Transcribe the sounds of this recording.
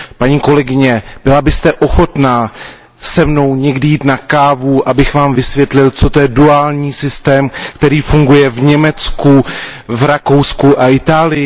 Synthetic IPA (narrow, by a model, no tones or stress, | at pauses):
paɲiːko̞lɛɡɪɲɛb̥ɪlabɪst̪ɛʔo̞xo̞t̪na | sɛmno̞wɲɛɡdɪjiːt̪nakaːvuʔabɪxvaːmvɪsvjɛt̪lɪlt͡sot̪ojɛduaːlɲiːsɪst̪ɛːmkt̪ɛɾiːfuŋɡujɛvɲɛmɛt͡skuvɾako̞wskuʔaʔɪt̪aːlɪjɪ